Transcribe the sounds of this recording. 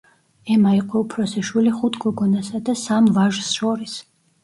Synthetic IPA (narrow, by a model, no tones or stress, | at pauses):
ɛmaiqʼwɔupʰɾɔsɛʃwiliχut̪ʰɡɔɡɔnasad̪asamvaʒsʃɔɾis